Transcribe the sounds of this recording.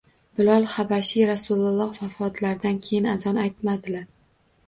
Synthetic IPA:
bɪlɒlˠχabaʃiɾasulˠʊlˠɒqfafɒt̪laɾd̪ankʲʰejɪnazɒnajt̪mad̪ɪlaɾ

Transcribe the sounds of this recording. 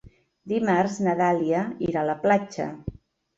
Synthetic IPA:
d̪imarznəðaliəiɾaləplat͡ʃə̰

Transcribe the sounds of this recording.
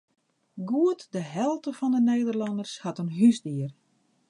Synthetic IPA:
ɡuətdəɦɛlˠtəfɔndəneːdərlɔndərshatənɦysdiər

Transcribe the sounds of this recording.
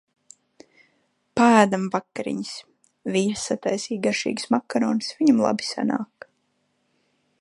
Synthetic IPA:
paæːd̪amvakːaɾḭɲis | visat̪ajsiːɡaʃḭːɡsmakːaɾɔːnsviɲamlˠa̰bi̥sa̰na̰ːk

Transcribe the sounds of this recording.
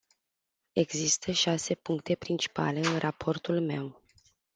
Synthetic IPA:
e̞ɡzist̪ʰəʃase̞puŋkt̪e̞pɾint͡ʃi̥pa̰le̞ɨnrʔapʰo̞rt̪ulme̞̰w

